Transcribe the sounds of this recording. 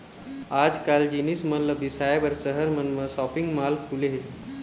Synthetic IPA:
ad͡ʒkald͡ʒinismənləbisajabəɾsəɦəɾmənməsɔpiŋɡmalkʰuleɦe

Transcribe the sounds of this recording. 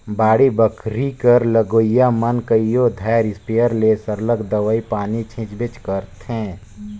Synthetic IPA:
baːɽibəkʰɾikəɾləɡoːjamənkəijod̪ʱaːɾɪspijəɾlesəɾləkd̪əʋəipaːnit͡ʃʰɪ̃t͡ʃbɪt͡ʃkəɾt̪ɦɛ̃ː

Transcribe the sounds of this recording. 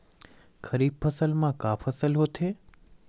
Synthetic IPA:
kʰəɾibfəsəlmãkafʰəsəlɦot̪ʰe

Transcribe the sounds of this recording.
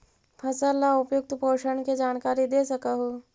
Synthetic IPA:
pʰɐsəlːaʊpjʊk̚t̪ʰpoːʃəɳked͡ʒaːnkaːɾid̪eːsɐkaɦo

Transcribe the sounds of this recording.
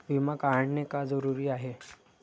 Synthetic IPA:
ʋimakaəɳnekad͡zəɾuɾiːaɦe

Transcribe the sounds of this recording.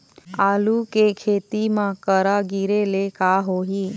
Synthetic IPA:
aːlukekʰeːt̪imãkəɾaɡiɾelekaːɦoːɦiː

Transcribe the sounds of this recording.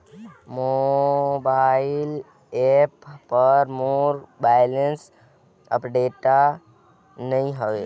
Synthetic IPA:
mobaɪl | epːəɾmoɾbajləns | ə̰pɖeʈa | nəĩɦəʋe

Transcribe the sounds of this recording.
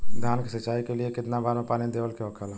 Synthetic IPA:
ɡʱaːnkisɐt͡ʃaːikeliekɪt̪nabaːɾẽpaːnid̪eːʋəlkeɦokʰala

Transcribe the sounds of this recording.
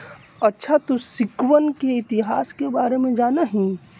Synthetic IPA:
ɐtːʃʰat̪osɪkwənkeɪt̪ɪɦaːskebaːɾemẽd͡ʒaːnaɦĩ

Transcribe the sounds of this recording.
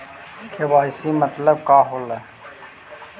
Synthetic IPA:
kʰeʋaːɪsiːmət̪ləb̚kaːɦoleː

